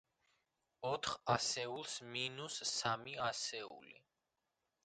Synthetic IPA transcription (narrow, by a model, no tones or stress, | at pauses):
ɔt̪ʰχasɛulˠsminusːamiasɛṵlḭ